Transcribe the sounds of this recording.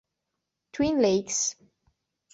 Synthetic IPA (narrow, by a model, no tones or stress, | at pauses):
tʰwĩnleɪks